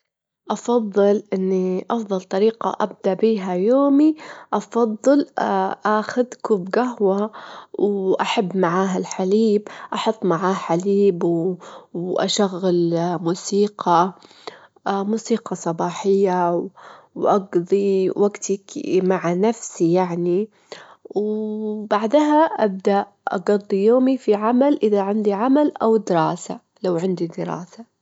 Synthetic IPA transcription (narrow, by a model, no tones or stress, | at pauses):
ʔɑfɑðˤːɨlʔɪnːiʔɑfðˤɑlt̪ˤɑɾiːqɑ̰ʔab̚d̪aʔbiːɦajoːmiʔɑfɑðˤːɨlʔaxʊd̪kubɡaɦwawʔaħabːmaʕaːɦalħaliːbʔɑħʊt̪ˤːmaʕaːħaliːb | wʔa̰ʃaɣːalmuːsiːqʰɑ | muːsiːqɑsˤɑbɑːħɪjːaw | wʔɑɡd̪ˤiwaɡt̪akmaʕanafsijaʕni | wbaʕd̪ɦaʔab̚d̪aʔ | ʔɑ̰ɡɑd̪ˤːijoːmifiʕamalʔɪðaʕɪnd̪iʕamalʔawd̪ɪɾɑːsa | lawʕɪnd̪id̪ɪɾˤɑ̰ːsa